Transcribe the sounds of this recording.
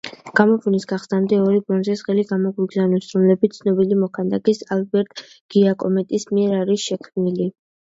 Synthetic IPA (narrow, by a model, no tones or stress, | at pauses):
ɡ̥amɔpʰunisɡ̥aχsnamd̪ɛɔɾibɔnzɛzʁɛliɡamɔɡwiɡzanɔsɾɔmlɛbit̪sʰnɔbilimɔkʰand̪akʼisalbɛɾt̪̚ʰʼ | ɡ̥iakʼɔmɛt̪ʼismiɛɾaɾisʃɛkʰmnili